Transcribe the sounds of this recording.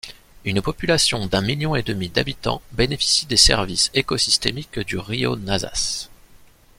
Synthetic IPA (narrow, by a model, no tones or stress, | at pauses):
ynpɔpylasjɔ̃d̪ɛ̃miljɔ̃ed̪əmid̪abit̪ɑ̰̃benefi̥sid̪esɛ̰ʁvisekɔsist̪emikd̪yʁio̰naza̰s